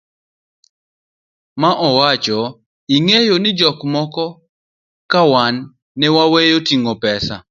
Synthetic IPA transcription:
maʔɔwat͡ʃɔ | iŋejonɪd͡ʒɔkmɔkɔ | kawanː | ɛwawejotiŋopɛsa̰

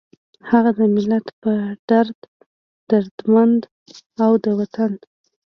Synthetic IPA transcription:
haɣad̪əmɪlat̪pəɖ̥aɾd̪ | d̪̥aɾd̪mand̪ | awd̪əwat̪an

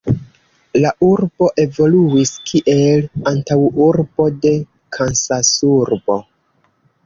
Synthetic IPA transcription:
laʔuɾbo̞ʔe̞vo̞luiskʰiʔe̞lantawuɾbo̞de̞ | kʰansasuɾbo̞

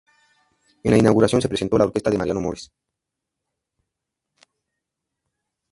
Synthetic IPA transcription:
enainawɣuɾasjonsepɾesent̪olaoɾkest̪aðemaɾjanomoɾes

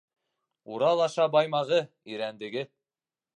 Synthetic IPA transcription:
uɾɑlˠɑʃɑbɑjmɑʁɤ | iɾænd̪ɘ̆ɡɘ

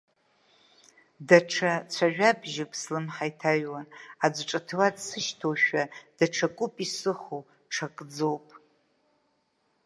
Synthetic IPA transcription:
daʈ͡ʂʰat͡sʷʰaʒᶣabʒɪpʰʼslɨmħajtʰaɥwanad͡zʷʈ͡ʂʼatʰɨwadsɨʃtʰowʃᶣad̥aʈ͡ʂʰakʷʼʊpʼisɨχo | ʈ͡ʂʰakʼd͡zowpʼ

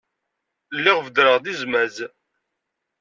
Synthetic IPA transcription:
lːiʁvəd̪ɾəʁðizmæz

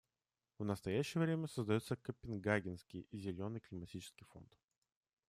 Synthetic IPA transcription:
vnəst̪ɐjæɕːɪjəvɾʲemʲəsəzd̪ɐjut̪səkəpʲɪnɡaɡʲɪnskʲɪjzʲɪlʲo̞nɨjklʲɪmɐtʲit͡ɕɪ̥skʲijfo̞̰nt̪

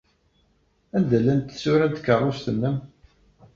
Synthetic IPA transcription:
ænd̪ælːænt̪sʊɾænt̪kərˤːost̪ənːəm

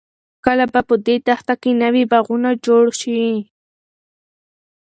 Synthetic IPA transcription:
kalabapəd̪et̪aχt̪akɪnawibaɣʊnad͡ʒoɽʃi

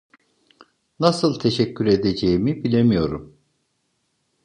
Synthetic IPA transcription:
nasɯlˠt̪ʰeʃɛcʰːyɾe̞d̪ed͡ʒejimibilʲemijo̞ɾum

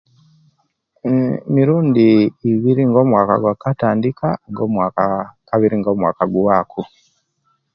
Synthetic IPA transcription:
miɾuːndiːβiɾiŋɡo̞ːmwaːka̰ɡwakataːndikaŋɡo̞ːmwaːkakaβiɾiŋɡo̞ːmwa̰ːkaɡwaːkʰu

